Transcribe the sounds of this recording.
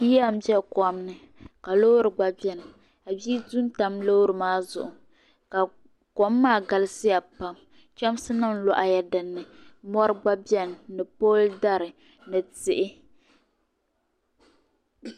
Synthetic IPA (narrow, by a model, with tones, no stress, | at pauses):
i˦a˦˨m̩˦bɛ˦kɔ˨mnɨ˨ | ka˨lo˦ɾɨ˨ɡ͡ba˦bɛ˦n˨ | a˨biː˦tu˦n˦ta˦mlo˦ɾɨ˨maː˦zʊ̰˨ʔʊ˨ | ka˨ | kɔ˦mːaː˦˨ɡa˨lɨ˦sɪ˦ja˨pa˨m | t͡ʃɛ˦msɨ˦nɨ˦n˦lɔ˨˦ʔa˨ja˨dɨ˨nːɨ˨mɔ˦ɾɨ˦ɡ͡ba˦bɛ˦nː˨ɨ˨poː˦lda˦ɾɨ˨ | nɨ˨tɪ˦ʔɪ˦